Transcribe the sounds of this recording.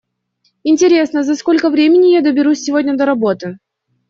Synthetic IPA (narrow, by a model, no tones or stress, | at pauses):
ɪnʲtʲɪɾʲe̞snəzɐsko̞lʲkəvɾʲemʲɪnʲɪjad̪əbʲɪɾusʲːɪvo̞dʲnʲəd̪əɾɐbo̞t̪ɨ